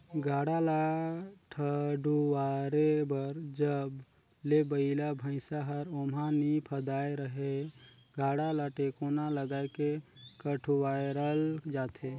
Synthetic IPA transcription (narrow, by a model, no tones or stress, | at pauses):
ɡʱaːɽalaʈʰəɖuwaɾebəɾd͡ʒəb | lebəɪlabʱə̃ɪ̃saɦəɾomanipʰəd̪aːeɾəɦe | ɡʱaːɽalaʈekonaləɡaːekekəʈʰuwajɾəld͡ʒaːt̪ʰe